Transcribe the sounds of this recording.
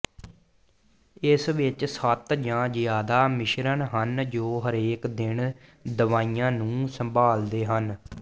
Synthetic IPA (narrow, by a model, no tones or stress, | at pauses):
ɪsʋɪt͡ʃsət̪d͡ʒãːzɪjaːd̪aːmɪʃɾənɦənd͡ʒoːɦəɾeːkd̪ɪɳd̪əʋaːiːãːnũːsəmbaːld̪eːɦən